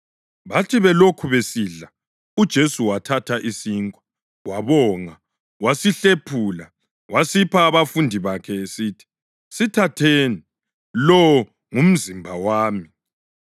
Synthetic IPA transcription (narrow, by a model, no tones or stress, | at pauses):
βatʰiβɛlokʰuβesiɮa | ud̥ʒ̥ʱesuwatʰatʰaʔisiŋkʼwḁ | waβɔːŋa | wasiɬepʰuːla | wasipʰaːβafundʱiβakʰɛesitʰi̥ | sitʰatʰeːni | lɔ | ŋum̩zimbʱawaːmi